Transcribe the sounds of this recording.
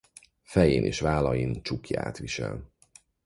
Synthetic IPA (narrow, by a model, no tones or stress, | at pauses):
fɛjeːnʔeːʃvaːlɒjint͡ʃukja̰ːt̪ʋiʃɛl